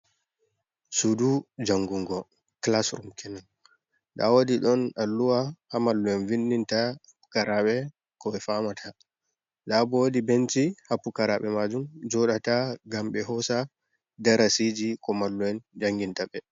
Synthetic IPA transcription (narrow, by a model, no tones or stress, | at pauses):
sudud͡ʒaŋɡuŋɡɔ | klasɾumkɛnan | ɗa̰wodiɗɔnalːuwahamalːuɛnvinːintahapːu̥kaɾaɓɛ | kɔɛfamatʰa | ɗabɔdibent͡ʃihapːukaɾaɓɛmad͡ʒumd͡ʒɔɗataɡamɓɛhɔsa | daɾasid͡ʒikɔmalːuɛnd͡ʒaŋɡintaɓɛ